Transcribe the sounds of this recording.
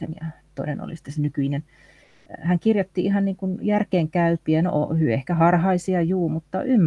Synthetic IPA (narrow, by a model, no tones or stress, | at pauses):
ḛnjɑ̰t̪o̰inḛno̰lḭsi̥t̪ːesenykyinen | hæŋkirjot̪ːiihɑnniːŋkunjærkeːŋkæypiæno̰ʔhyehkæhɑrhɑisiɑjuːmut̪ːɑymː